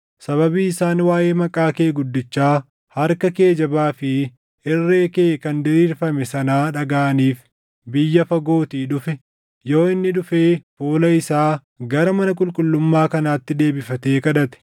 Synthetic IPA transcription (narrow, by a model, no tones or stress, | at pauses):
sɐβɐbiːɪsaːnwaːje̞ːmɐkʼaːke̞ːɡʊd̪ːɪt͡ʃːaː | hɐɾkɐke̞ːd͡ʒɐbaːfɪ | ɪrːe̞ːkeːkɐnd̪ɪɾiːɾfɐmɛsɐnaːᶑɐɡaːʔɐniːf | bɪjːɐfɐɡo̞ːt̪iːᶑʊfɛ | jo̞ːɪnːɪᶑʊfeːfoːlɐɪsaː | ɡɐɾɐmɐnɐkʼʊlkʼʊlːʊmːaːkɐnaːt̪ːɪd̪e̞ːbɪfɐt̪e̞ːkɐᶑɐt̪ɛ̥